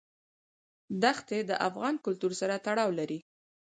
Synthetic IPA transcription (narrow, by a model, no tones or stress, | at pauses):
d̪axt̪ed̪əʔafɣɑnkʊlt̪uɾsaɾat̪aɽɑwlaɾi